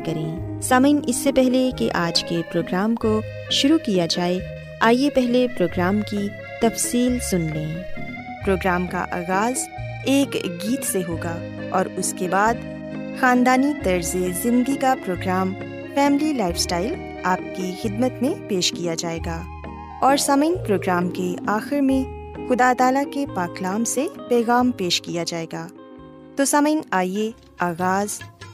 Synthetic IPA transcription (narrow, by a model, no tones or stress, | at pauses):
kɐɾẽːsaːməɪnɪsːepɛɦlekeʔaːd͡ʒkepɾoːɡɾaːmko | ʃʊɾukijad͡ʒaːe | aːijepɛɦlepɾoːɡɾaːmki | t̪ɐfsiːlsʊnlẽː | pɾoːɡɾaːmka̰ʔa̰ːɣaːz | eːkɡiːt̪seɦoːɡaː | ɔːɾʊskebaːd̪ | xaːnd̪aːnit̪ɐɾzezɪ̃nd̪ɡikapɾoːɡɾaːm | fɛːmlilaːɪfsʈaːɪl | aːp̚kixɪd̪mət̪mẽpeːʃkijad͡ʒaːeːɡaː | ɔːɾsɐməɪnpɾoːɡɾaːmkeaːxɪɾmẽxʊd̪aːt̪aːlakepaːklaːmsepɛːɣaːmpeːʃkijad͡ʒaːeːɡaː | t̪osɐməɪnaːie | aːɣaːz